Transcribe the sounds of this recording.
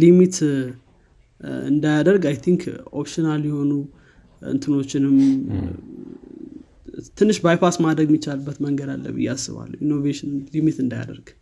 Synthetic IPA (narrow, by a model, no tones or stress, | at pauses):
limit̪ | ɨ̰nd̪ajad̪əɾɡajt̪ʰiŋkʰopʃinaljɛho̞nu | ɨ̰nt̪ʰɨno̞t͡ʃːɪnɨm | t̪ʰɨnːɨʃbajpasmad̪ɾəɡmit͡ʃːalbːət̪məŋɡəd̪a̰lːə̰βɨ̰jːasːɨ̰βa̰lːə̰inːo̞veʃɪnlimit̪ɨnd̪aja̰d̪ə̰ɾɡ̥